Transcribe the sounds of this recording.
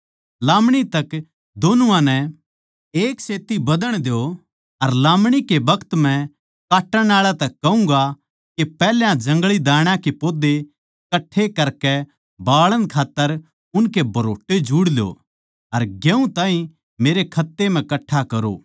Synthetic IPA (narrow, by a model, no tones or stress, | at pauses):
lãːmɽ̃it̪ɐk | d̪oːnʊãnɛ | eːkseːt̪ibɐd̪əɽ̃d̪eo | ɐɾlaːmɽ̃ikebɐkʰt̪m̤ɛ̃ | kaːʈːəɽ̃aːɭat̪ɛkːɐũŋɡa | kepɛːljãd͡ʒɐ̃ŋɡɭid̪aːɽ̃ãkepoːd̪e | kɐʈʰːekɐɾkɛ | baːɭə̃nkʰaːt̪ːəɾ | ʊnkebʱɐɾoːʈːed͡ʒuːɽljo̰ | ɐɾɡjɛ̃ũt̪ãːĩ | meːɾekʰɐt̪ːem̤ɛ̃kɐʈʰːakɐɾo̰ː